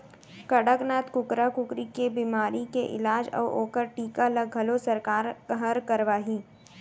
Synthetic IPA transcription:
kɐɽəknaːt̪kʊkɾakʊkɾikebiːmaːɾikeʔɪ̰laːd͡ʒɔ̰ːoːkəɾʈiːkalɐɡʱɐlosɐɾkaːɾɦəɾkɐɾʋaːɦiː

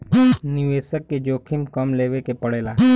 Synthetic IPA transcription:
nɪʋeːsəkːed͡ʒoːkʰimkɐmleːʋekepəɽeːlaː

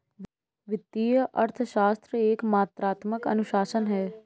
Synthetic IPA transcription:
ʋɪt̪ːiːjəʔɐɾt̪ʰəʃaːst̪ɾəeːkmaːt̪ɾaːt̪məkɐ̰nʊʃaːsənɦɛː

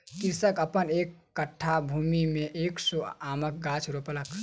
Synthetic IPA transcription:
kisəkəpənekːəʈʰːabʱumimẽʔeːksoaːmək̚ɡat͡ʃʰɾopələk

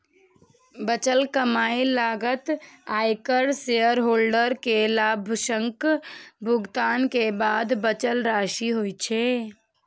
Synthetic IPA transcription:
bət͡ʃəlkəmaːilaːɡət̪aːjkəɽseəɾɦoːlɖəɾkelaːbʱʃə̃ŋkbʱʊɡt̪aːnkebaːd̪bət͡ʃəlɾaːʃiɦojt͡ʃʰe

